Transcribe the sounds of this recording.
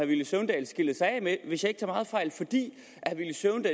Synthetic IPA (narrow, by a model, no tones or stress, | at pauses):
ɑʋiləsøʊnd̥ɛ̰ːlsɡ̥ilð̩ˠsɑ̈ɪɛ̰meʋe̝sjɑ̈ɪeɡ̥̚t͡sʰɑ̈mɑ̈ːð̞̩ˠfɑ̈ɪ̰lfɒ̽d̥ḭː | æʋiləsøʊnd̥ɛː